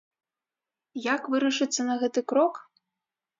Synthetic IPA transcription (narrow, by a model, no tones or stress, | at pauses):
jakvɨɾɐʂɨt̪sːɐnɐɣɛt̪ɨkɾɔk